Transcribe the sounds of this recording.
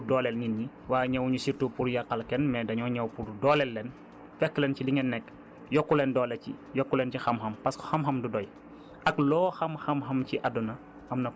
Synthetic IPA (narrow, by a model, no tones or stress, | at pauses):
dɔːlɛlŋinɲi | waːjɲɐwɲusirtupuɾjɐkːɐlkɛnmɛdɐɲɔwɲɐwpuɾdɔlɛlːɛn | fɛkːlɛnciliŋɛnːɛkː | jɔkːulɛndɔːlɛcḭjɔkːulɛncixɐmxɐmpɐsku̥xɐmxɐmdudɔj | ɐklɔːxɐmxɐmxɐmciʔɐdunɐ | ɐmnɐ